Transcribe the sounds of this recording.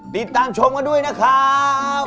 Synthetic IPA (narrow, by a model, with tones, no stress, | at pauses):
t̪i˨˩t̪ːaː˧mt͡ɕʰo˧mkaː˧du˥˩əjna˦˥kʰa˦˥